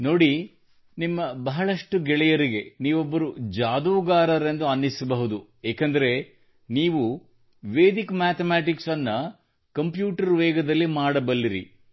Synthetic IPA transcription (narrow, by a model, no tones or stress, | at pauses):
no̞ːɽi | nimːɐbɐɦɐɭɐʂʈuɡɛɭɛjɐɾiɡe̞niːʋobːɐɾud͡ʒaːd̪uːɡaːɾɐɾend̪uɐnːisɐbɐɦud̪u | eːkɐnd̪ɐɾe̞ | niːʋu | ʋeːd̪ikmaːt̪ʰɐmaːʈiksɐnːɐ | kɐmpjuːʈɐɾʋɛːɡɐd̪ɐlːimaːɽɐbɐlːiɾḭ